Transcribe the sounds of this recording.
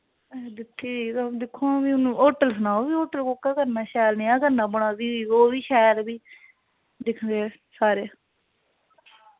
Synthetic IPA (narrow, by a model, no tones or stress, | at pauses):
ɛd̪ɪkʰːiːiːt̪od̪ɪkʰːõbiːʊnũːʔoːʈəlsənaːoːbiːoːʈəlkoːkaːkəɾnãːʃɛːlnĩːãːɡəɾnãːbəɽ̃aːdiːiːoːʋiːʃɛːlbiː | d̪ɪkʰnd̪eː | saːɾeː